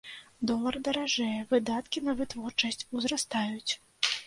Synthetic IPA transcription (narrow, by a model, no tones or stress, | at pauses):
d̪ɔlˠɐrd̪ɐɾaʐɛjɛvɨd̪at̪kʲinɐvɨt̪vɔrt͡ʂɐsʲt͡sʲuzrast̪ajut͡sʲ